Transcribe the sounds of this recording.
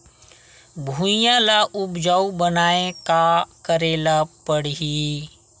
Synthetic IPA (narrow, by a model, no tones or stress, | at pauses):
bʱũjãlaʔʊbd͡ʒaubənaːekakəɾeːlapəɽɦi